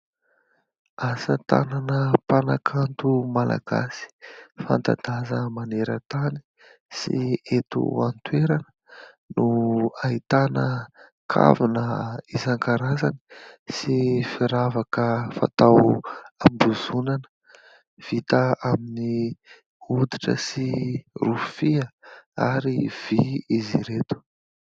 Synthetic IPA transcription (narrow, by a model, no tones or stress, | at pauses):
asət̪a̰nanəpanakʰant̪umala̰ɡ̥a̰si̥fa̰nt̪a̰d̪azəmaneɾət̪ani̥ | sḭet̪ṵant̪weɾanə̥ | nuait̪anə | kʰa̰vinəizaŋkaɾazani̥sifiɾavakəfa̰t̪awambuzunanə̥ | v̥it̪əamini | ud̪iʈ͡ʂə̰sirufiəaɾiv̥iiziɾet̪u̥